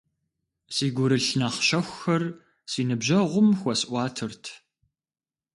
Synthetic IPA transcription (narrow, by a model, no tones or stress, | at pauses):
siːɡʷʊɾɨɬnaχʃɐxʷxɐr | siːnɨbʑɐʁʷʊmxʷɔsʔʷɑːtʰɨrtʰ